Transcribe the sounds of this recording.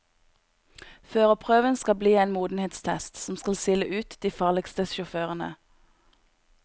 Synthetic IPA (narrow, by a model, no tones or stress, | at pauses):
føːʁəpʰʁøːʋənskɑbliːeːnmuːd̪n̩heːt̪st̪ʰɛst̪sɔmskɑlsɪləʔʉːt̪d̪̥iːfɑːʁlɪkst̪əʃʊføːʁənə̰